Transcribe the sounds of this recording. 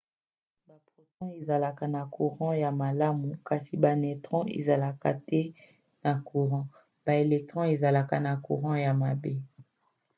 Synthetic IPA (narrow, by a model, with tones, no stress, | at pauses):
ba˨pʁo˨sɔ̃˦e˨za˨la˨ka˨na˨ku˨ʁɑ̃˦ja˨ma˨la˦mu˨ka˨si˨ba˨nɛ˨tʁɔ̃˦ʔḛ˨za˨la˨ka̰˨tɛ˦ | na˨ku˨ʁɑ̃˦ | b̥a˨e˨lɛ˨k̚tʁɔ̃˦e˨za˨la˨ka˨na˨kṵ˨ʁɑ̃˦ja˨ma˨be˦